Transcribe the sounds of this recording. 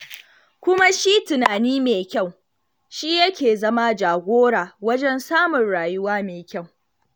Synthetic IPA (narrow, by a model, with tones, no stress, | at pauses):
kʷʊ˦ma˦ʃi˦tʊ˨naː˨niː˦meː˨kʲa˦˨w | ʃi˦jɐ˦kʲeː˨zɐ˦ma˦d͡ʒaː˨ɡʷoː˦ɽaː˨wɐ˦d͡ʒɛ˦nsaː˦mʊ˨nɽaː˨jʊ˦waː˦meː˨kʲa˦˨w